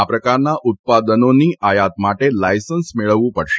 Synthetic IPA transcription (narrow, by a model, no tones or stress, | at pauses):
apɾəkaɾnaʔut̪̚pad̪ənoniːʔajat̪maʈelajsənsmeɭəʋũpəɽʃe